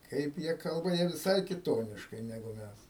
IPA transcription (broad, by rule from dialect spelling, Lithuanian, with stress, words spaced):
ˈkɐɪp jiɛ ˈkɐlˠbɐ jiɛ ʋʲɪˈsɐɪ kʲɪˈtoːnʲɪʃkɐɪ nʲɛˈɡʊ ˈmʲæs